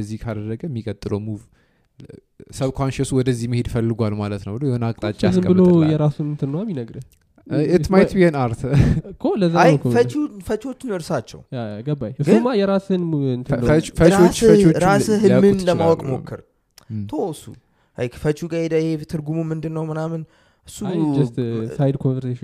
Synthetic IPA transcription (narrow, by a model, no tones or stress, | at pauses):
əzːihkʰad̪ərəɡəmːikʼət̪ʼːɨləwmuv | səβkʰʷanʃesuwɔd̪əzːihməhed̪fəlːɨɡʷalmalət̪nəwbɨlojɛhonakʼt̪ʼat͡ʃʼːazsɨməbɨlojɛɾasumɨnt̪ʰɨnːəwaminəɡɾɨ | ɪmajt̪biənaɾt̪ʰkʰoləzzaajkʰofət͡ʃufət͡ʃot͡ʃːɨnɨɾsat͡ʃːɛ̰waɡəbajɡɨɨmajɛɾasɨnɨnt̪ʰɨt͡ʃfəot͡ʃːfət͡ʃwot͡ʃɾashɨamːɨnləmawɔkʼmo̰kːɨɾ | t̪ʰosṵ | hajkʰfət͡ʃuɡaed̪aɪhet̪ʰɨɾɡumumɨnd̪ɨnːəwmɨnamɨn | ɨsːud͡ʒɛst̪fajd̪kʰonvəɾseʃ